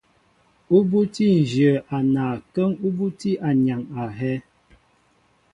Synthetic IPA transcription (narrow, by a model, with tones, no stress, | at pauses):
u˦bu˦ti˦n̩˨d͡ʒjə˨ʔa˨na˨kə˦ŋu˦bu˦ti˦ʔa˨ɲa˨ŋa˨ɦɛ˦